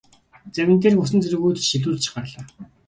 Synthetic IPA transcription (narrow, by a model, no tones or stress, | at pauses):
t͡sæwʲɪ̥̆t̪̬eːrxusɘ̆nt͡seɾɘ̆ɣuːt̪ʃiɮuːɮt͡ɕɪ̥̆χpærɮaː